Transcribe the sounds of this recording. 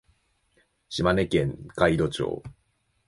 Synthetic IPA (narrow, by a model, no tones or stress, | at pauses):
ɕimane̞kẽ̞ŋkaid̪o̞t͡ɕo̰ː